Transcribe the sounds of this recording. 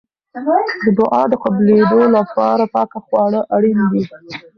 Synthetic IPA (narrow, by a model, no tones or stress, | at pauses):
d̪əd̪ʊʔɑd̪əqabled̪olapɑɾapɑkaxwɑɽəʔaɽinw̪i